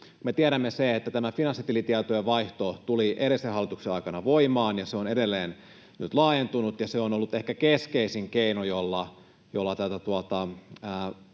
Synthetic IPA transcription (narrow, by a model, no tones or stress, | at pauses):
met̪iæɾæmːeseet̪ːæt̪æmæfinɑnsːit̪ilit̪iæt̪oeʋɑiht̪ot̪uliʔeɾesehɑlːˑit̪ukseɑikɑnɑʋoimɑːnjɑseonedelːeːn | nyt̪lɑːjent̪unut̪jɑseonolːut̪ehkækeskeisiŋkeinojolːɑ | jolːɑt̪æt̪æt̪uɑt̪ɑəː